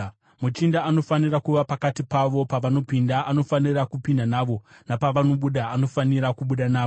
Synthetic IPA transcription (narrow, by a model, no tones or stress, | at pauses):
mut͡ʃindaːno̞fanirakuʋapakatipaʋo̞paʋano̞pindaʔano̞fanirakupindanaːʋo̞napaʋano̞ɓuɗaːno̞faniɾakuɓuɗanaːo